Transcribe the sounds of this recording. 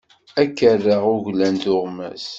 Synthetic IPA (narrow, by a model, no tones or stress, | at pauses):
ækːərːəʁʊʝlænt̪ʊʁmæ̰s